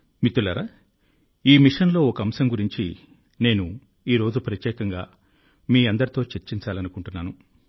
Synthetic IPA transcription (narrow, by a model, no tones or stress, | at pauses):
mit̪ːulɐɾɐ | iːmiʂɐnlo̞ːɔkɐɐmsɐŋɡuɾiɲt͡ʃi | ne̞ːnu | iːɾo̞ːd͡ʒupɾɐt̪jɛːkɐŋɡaː | miːɐnd̪ɐɾit̪o̞ːt͡ʃeɾt͡ʃːiɲt͡ʃaːlɐnukuɳʈunːaːnu